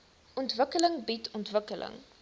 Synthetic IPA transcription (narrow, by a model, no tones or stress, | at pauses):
ʔɔntvəkələŋbitʰɔntvəkəlʔə̰ŋ